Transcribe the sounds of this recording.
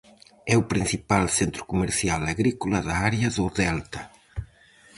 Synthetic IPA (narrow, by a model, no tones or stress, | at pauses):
ɛupɾin̟θipalsent̪ɾʊ̥kumeɾθjalaɣɾikulaðaaɾjɐðoðɛlt̪ɐ